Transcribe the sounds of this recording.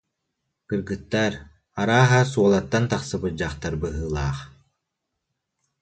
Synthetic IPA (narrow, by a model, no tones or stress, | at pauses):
kɯɾɡɯt̪ːaɾ | aɾaːɦasuɔlˠat̪ːant̪aχsɯbɯd͡ʑaχt̪aɾbɯɦɯːlˠaːχ